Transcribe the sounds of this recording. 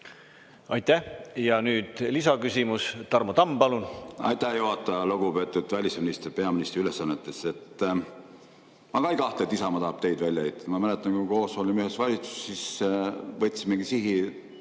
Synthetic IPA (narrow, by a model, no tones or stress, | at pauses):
ɑjt̪ːæhjɑnyːd̪̥lisɑkysʲimust̪ɑrmot̪ɑmpɑlunɑ̰jt̪ːˑæhjoɦɑt̪ːˑɑloɡupe̞ːt̪ːˑud̪̥vælʲisminist̪rpe̞ɑminist̪ɾiylesːɑnːet̪ːˑe̞se̞t̪ːˑ | mɑkɑjkɑht̪let̪ːisɑmɑt̪ɑɦːb̥t̪e̞jd̪vælʲjɑejt̪ːˑɑmɑmælet̪ːˑɑnkuko̞ːsolʲimyhesvɑlʲit̪su̥sːis | vɤt̪ʲːsimeɡisiɦi